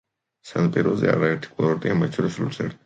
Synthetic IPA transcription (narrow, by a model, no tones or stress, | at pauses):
sanpʼiɾɔzɛ̰a̰ɾaɛɾt̪ʰi̥kʼlaɾɔɾt̪ʼiamat͡ʃʰɔɾislṵsʰɛ̰ɾ